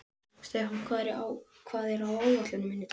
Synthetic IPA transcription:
st̪ejɦḁkʰvaːðɾɪʔawkʰvaːðɛɾawaːwvat̪lʏnʏmɪnːɪt̪

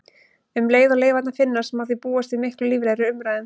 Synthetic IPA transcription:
ʏmleːjðaleːjvat̪nafɪnːasɛmhaðɪpuːast̪imɪhklʏliːvlaːjɾʏʏmɾajðʏm

